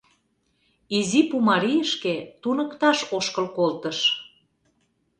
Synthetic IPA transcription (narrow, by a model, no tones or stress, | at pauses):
izipumɑɾijəʃket̪unəkt̪ɑʃoʃkəlkolt̪əʃ